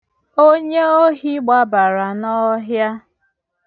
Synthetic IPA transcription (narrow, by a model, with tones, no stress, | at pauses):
o˦ɲe˦o˦ɦi˦ɡ͡ba˦ba˨ɾa˨nɔ˦ɦja˦